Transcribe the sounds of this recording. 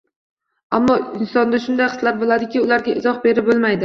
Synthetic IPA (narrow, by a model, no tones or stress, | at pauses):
amːɒɪnsɒnd̪aʃʊnd̪ajχɨ̥slaɾbolˠad̪ɪkʲɪʊlaɾɡʲaʔɪzɒχbe̞ɾɪp̚bolˠmajd̪ɪ